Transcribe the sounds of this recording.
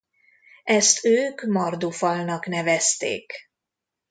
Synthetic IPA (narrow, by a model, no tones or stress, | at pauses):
ɛst̪øːkmɒrd̪ufɒlnɒknɛvɛst̪ḛːk